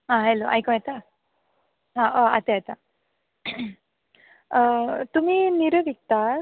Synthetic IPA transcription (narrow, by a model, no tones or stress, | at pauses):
ɦãɦɛloʔa̰jkɔ̃jɛt̪a | ɦãʔoa̰t̪eat̪a | t̪um̤iːniɾəʋik̚t̪a